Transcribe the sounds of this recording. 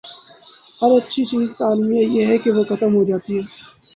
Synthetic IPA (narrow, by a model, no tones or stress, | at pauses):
ɦhɐɾɐtːʃʰit͡ʃiːzkaːlmijajeɦɛkeʋokʰɐt̪əmɦod͡ʒaːt̪iɦɛː